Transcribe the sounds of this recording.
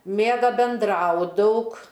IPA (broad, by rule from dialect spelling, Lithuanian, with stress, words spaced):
ˈmʲeːɡɐ bʲɛnˈdrɐʊ ˈdɐʊk